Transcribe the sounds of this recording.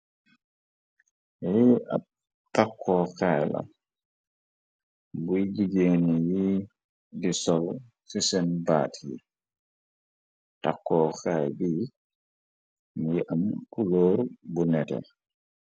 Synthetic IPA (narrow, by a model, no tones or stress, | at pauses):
ia | takʰːɔkajla̰ | bujd͡ʒiɡeniji | disɔl | fisɛnba̰tʰḭ | takːɔːkajbi | miʔamkulɔbunɛtɛ̰